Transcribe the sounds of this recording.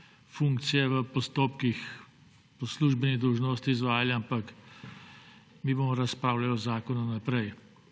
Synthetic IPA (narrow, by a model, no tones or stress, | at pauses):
fũŋkt̪sijɛʋəpɔst̪oːpkix | pɔsluːʒbɛniɣd̪ɔwʒnoːst̪iːzʋaːjaljaampak | miːboːmɔɾɐspɾaːwlajɔzaːkɔnanapɾɛj